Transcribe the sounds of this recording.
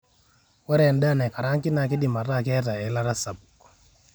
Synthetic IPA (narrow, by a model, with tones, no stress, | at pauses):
kwɛ˦ɾɛ˨nda˦˨nɛ˨ka˨ɾa˦ŋki˦na˨ki˦di˨ma˨ɾa˦˨kɛ˦ta˨ɛ˨la˦ɾa˦sa˨bu˨kɔ̥˨